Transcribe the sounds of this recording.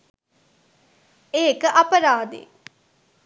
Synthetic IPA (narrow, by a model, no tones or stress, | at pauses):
eːkəʔɐpɐɾaːd̪ḛ